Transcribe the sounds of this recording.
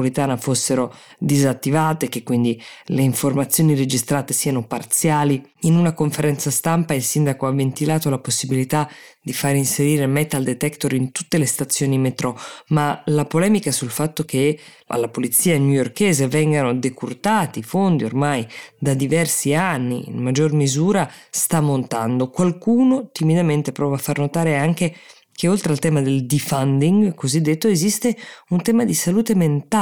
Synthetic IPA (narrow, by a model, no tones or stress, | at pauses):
oɾit̪aːnafosːeɾo | d̪izat̪ːivaːt̪ekːekːwind̪ileiɱformat̪sːjoːniɾed͡ʒist̪ɾaːt̪esianopart̪sjaːliinunakoɱfeɾɛnt̪sast̪ampailsind̪akoavːent̪ilaːt̪olaposːibilit̪ad̪̥ifaɾinseɾiːɾemɛt̪ald̪et̪ɛkt̪oɾint̪ut̪ːelest̪at̪sːjoːnimet̪ɾɔmalapolɛːmikasulfat̪ːok̟e | a̰lːapolit̪siːanujorkɛːzevɛŋɡanod̪ekurt̪aːt̪ifond̪iormajd̪ad̪ivɛrsianːḭḭnmad͡ʒːormizuːɾast̪amːont̪a̰nd̪okwalkuːnot̪imid̪ament̪epɾɔːpafːarnot̪aːɾeaŋk̟e | kʰeolt̪ɾealt̪ɛːmad̪eld̪ifand̪iŋɡkozid̪ːet̪ːoezist̪eunt̪ɛːmad̪isaluːt̪ement̪a